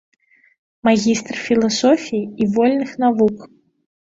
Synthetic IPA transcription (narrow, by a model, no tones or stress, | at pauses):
maɣʲist̪rfʲilˠasɔfʲijiivɔlʲnɨxnavuk